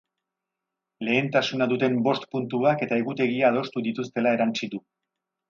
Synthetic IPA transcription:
le̞ːnt̪asunaðut̪e̞mbo̞st̪punt̪uake̞t̪ae̞ɣut̪e̞ɣiaːð̞o̞st̪uðit̪ust̪e̞lae̞ɾant͡sit̪u

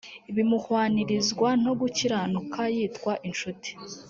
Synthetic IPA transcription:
iβimuhwaːniɾizɡwan̥o̞ɡuciɾanukʰajiːtkwaʔinʃuti̥

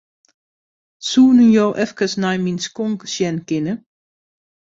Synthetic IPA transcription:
suːnyjoːʔɛfkəsnajminskɔŋksjɛnkɪnə

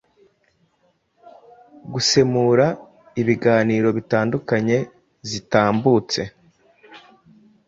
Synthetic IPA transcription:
ɡuse̞muːɾa | iβiɡaːniːɾo̞βitaːndukaɲe̞ | zitaːmbut͡se̞

